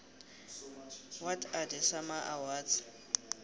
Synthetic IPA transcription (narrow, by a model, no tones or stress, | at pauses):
watʰadɪsamaʔawaːt͡sɪ̥